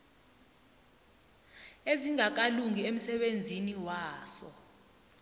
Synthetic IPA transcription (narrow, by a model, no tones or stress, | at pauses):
eziŋak̬aluŋiem̩sɛɓend͡zʱiniwaːsɔ